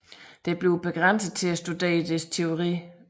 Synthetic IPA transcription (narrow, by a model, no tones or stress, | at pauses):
d̥e̝b̥le̝ʊb̥e̝ɡ̥ʁan̰səð̩ˠt͡sʰe̝æsd̥ud̥e̝̰ːɐd̥est͡sʰe̝o̝ʁḭː